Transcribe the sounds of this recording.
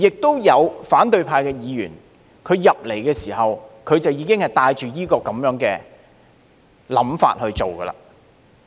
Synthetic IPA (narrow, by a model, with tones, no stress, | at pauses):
jɪ˨k̚t̪o˥wjɐ˨˧wfaː˨˥nt̪ɵ˨˧ɥpʰaː˧jkɛː˧jiː˨˧jy̰ː˨˩n | kʰɵ˨˧ɥjɐ˨p̚le˨˩jkɛː˧siː˨˩hɐ˨wkʰɵ˨˧ɥt͡sɐ˨wjiː˨˧kɪ˥ŋhɐ˨˩jt̪aː˧jt͡ʃyː˨jiː˥kɔː˧kɐ˨˥mjœː˨˥ŋkɛː˧ | lɐ̰˨˥mfa̰ː˧t̚hɵ˧ɥt͡so˨wkɐ̰˧la̰ː˨˩